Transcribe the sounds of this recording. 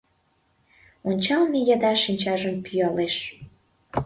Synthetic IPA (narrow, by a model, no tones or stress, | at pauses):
onʲt͡ɕɑlmejɑd̪ɑʃinʲt͡ɕɑʒəmpyjɑleʃ